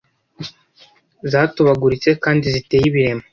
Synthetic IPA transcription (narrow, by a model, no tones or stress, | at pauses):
zaːtuβaɡuɾit͡se̞kaːndizite̞ːjiβiɾe̞mo